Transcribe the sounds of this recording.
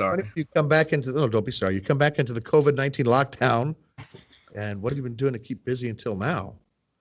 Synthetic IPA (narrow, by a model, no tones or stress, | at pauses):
sɑnijɨkʰʌ̃mbækɪ̃ntʉoʊdõʊ̃nb̥isɑɹijɨkʰʌ̃mbækɪ̃ntʉðɨkʰoʊvɨdⁿnãɪ̃ntʰĩnlɑk̚d̥ãʊ̃n | ɨ̃nwʌt̚hɨvjɨbɨ̃n̩dʉɪ̃ŋtʰɨkʰip̚b̥ɪziɨ̃ntʰɪlˠnaʊ